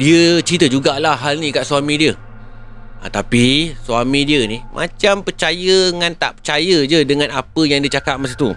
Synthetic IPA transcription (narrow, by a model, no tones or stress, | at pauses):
diət͡ʃit̪əd͡ʒuɡaʔlahɦalnĩkaʔsuamĩdiə | ə̰t̪apisuamĩdiənimʔã̰t͡ʃampərt͡ʃajəŋãnt̪a̰ʔpərt͡ʃajəd͡ʒədəŋãnapəjaŋdiət͡ʃakap̚masit̪u